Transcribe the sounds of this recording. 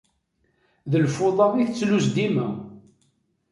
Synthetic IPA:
ðəlfʊðˤɑðiθt͡sːluzd̪imæ

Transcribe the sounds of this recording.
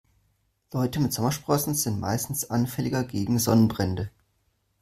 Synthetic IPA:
lɔʏtəmɪtz̥ɔmɐʃpʁ̥ɔsn̩zɪntma̰ɪstn̩sʔanfɛlɪɡɐɡeːɡŋ̩zɔnənbʁɛndə

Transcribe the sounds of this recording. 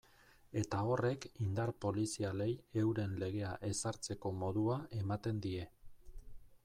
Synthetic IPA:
e̞t̪ao̞re̞kind̪aɾpo̞lisiale̞je̞wɾe̞nle̞ɣe̞aʔe̞saɾt͡se̞ko̞mo̞ðuae̞mat̪e̞nd̪ie̞

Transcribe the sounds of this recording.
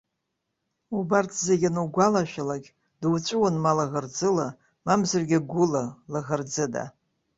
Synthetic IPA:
ubartʰzeɡʲanuwɡʷalaʃʷᶣalaɡʲ | dwt͡ʃʷʼɨwanmalaɣard͡zɨla | mamzɨrɡʲaɡʷʊlalaʁard͡zɨda̰

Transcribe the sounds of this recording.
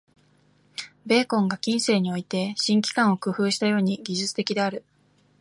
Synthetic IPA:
be̞ːkõ̞ŋɡakʲĩɰ̃se̞ːɲ̟io̞it̪e̞ɕĩŋkʲi̥kãɰ̃o̞kɯɸɯ̟ːɕi̥t̪ajo̞ːɲ̟iɡʲiʑɨt͡sɨ̥t̪e̞kʲid̪e̞aɾɯ̟

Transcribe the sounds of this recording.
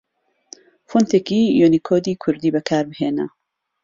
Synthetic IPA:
font̪ʰeːkijonikʰoːd̪iːkʰʊɾd̪iːbɐkʰaːɾbɨheːnɐ̰

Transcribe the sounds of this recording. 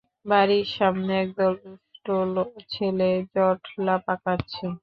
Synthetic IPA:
baɾiɾʃamneɛk̚d̪ɔlbisʈolot͡ɕʰeled͡ʑɔʈlapakatːɕʰe

